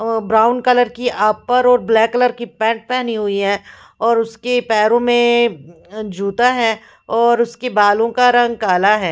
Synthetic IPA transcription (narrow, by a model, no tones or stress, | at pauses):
bɾaːʊnkɐləɾkiʔaːpːɐɾɔːɾblɛːkːələɾkipɛ̃ːɳʈ̚pɛːniɦʊiɦɛ̃ː | ɔːɾʊskepɛːɾõmẽ | d͡ʒʱuːt̪aɦɛː | ɔːɾʊskebaːlõkaɾɐ̃ŋɡkaːlaɦɛː